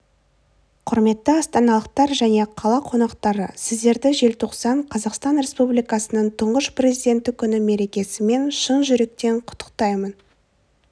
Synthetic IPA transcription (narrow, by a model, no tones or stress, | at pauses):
qʰʊɾme̞t̪ːəɑst̪ɑnɑlˠəq̚t̪ɑɾʒæne̞qʰɑlˠɑqʰo̞nɑqt̪ɑɾə̰sɪzd̪e̞ɾd̪ɪʒe̞lt̪ʰoqsɑɴqʰɑzɑqst̪ɑnɾʲe̞spublijkɑsənəɴt̪ʰʊɴʁəʃprʲe̞zijd̪e̞nt̪ːɪkʲʰʏnɪme̞ɾe̞kʲe̞sɪme̞nʃənʒʏɾe̞k̚t̪e̞ɴqʰʊ̥t̪ːə̥q̚t̪ɑjmən